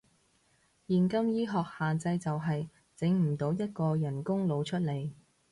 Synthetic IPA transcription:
jiː˨nkɐ˥mjiː˥ɦɔː˨k̚haː˨nt͡sɐ˧jt͡sɐ˨wɦɐ˨j | t͡sɪ˨˥ŋm̩˨˩t̪o˨˥wjɐ˥t̚kɔː˧jɐ˨˩nkʊ˥ŋlo˨˧wt͡ʃʰɵ˥t̚le˨˩j

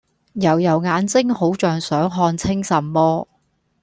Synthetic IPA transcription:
jɐ˨˩wjɐ˨˩wŋaː˨˧nt͡sɪ˥ŋho˨˥wt͡ʃœː˨ŋsœː˨˥ŋɦɔː˧nt͡sʰɪ˥ŋsɐ˨˩mmɔː˥

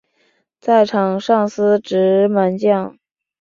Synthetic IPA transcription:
t͡sa˥˩ɪʈ͡ʂʰɑ˨˩ŋʂɑ˥˩ŋsɹ̩˥ʈ͡ʂɻ̩˧˥ma˧˥nt͡ɕjɑ˥˩ŋ

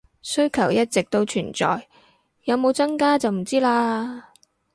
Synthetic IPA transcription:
sɵ˥ɥkʰɐ˨˩wjɐ˥t̚t͡sɪ˨k̚t̪o˧wt͡ʃʰyː˨˩nt͡sɔ̰ː˨j | jɐ˨˧wmo˨˧wt͡sɐ˥ŋkaː˥t͡sɐ˨wm̩˨˩t͡siː˥laː˧

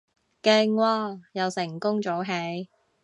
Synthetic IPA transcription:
kɪ˧ŋwɔː˧jɐ˨˧wsɪ˨˩ŋkʊ˥ŋt͡so˨˥wɦe˨˥j

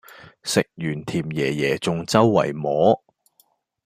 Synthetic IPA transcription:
sɪ˨k̚jyː˨˩nt̪ʰiː˨˩mjɛː˨˩jɛː˨˩t͡sʊ˨ŋt͡sɐ˥wːɐ̰˨˩jmɔː˨˥

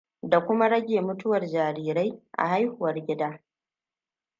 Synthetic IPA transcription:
da˨kʷʊ˦ma˦ɽɐ˦ɡʲeː˨mʊ˦tʊ˦wɐ˨rd͡ʒaː˨ɾiː˦ɾa˦jʔa̰˨ha˦jhʊ˨wɐ˦rɡʲɪ˦daː˦

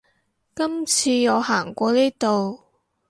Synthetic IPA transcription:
kɐ˥mt͡sʰiː˧ŋɔː˨˧haː˨˩ŋkʷɔː˧niː˥t̪o˨w

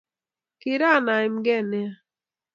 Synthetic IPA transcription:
kɪ˨ɾa˦˨na˨ɪ˨m̩˦ɡɛ˦˨nɛ˦a˦

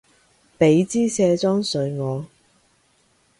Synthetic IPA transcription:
pe˨˥jt͡siː˥sɛː˧t͡sɔː˥ŋsɵ˨˧ɥŋɔː˨˧

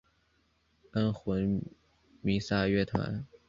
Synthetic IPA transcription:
ə˥nxwə˧˥n | mi˧˥sa˥ɥɛ˥˩t̪ʰwa̰˧˥n

